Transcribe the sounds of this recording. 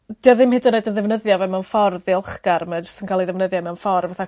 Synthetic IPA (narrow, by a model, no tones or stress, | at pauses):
d̥iɔðɪmhɪdənːedənðɛvnəðjavɛmɛwnfɔrðiəlˠχɡ̥aɾmɛ̥sɪnkʰaːlˠiðɛvnəðjamɛwnfɔrvaθa